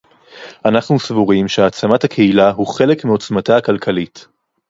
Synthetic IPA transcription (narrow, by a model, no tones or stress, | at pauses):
ʔanaχnusvuʁimʃeat͡samathakʰehilaɦuχe̞lekmio̞t͡smataːkalkʰalit